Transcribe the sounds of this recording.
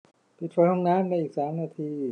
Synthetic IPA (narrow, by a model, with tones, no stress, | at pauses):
pʰi˨˩t̪̚ʰfɔː˨˦˥hʰɔ˧˩ŋnaː˦˥˨mnaː˧˥ʔiː˨˩k̚saː˩˦mnaː˧t̪ʰiː˧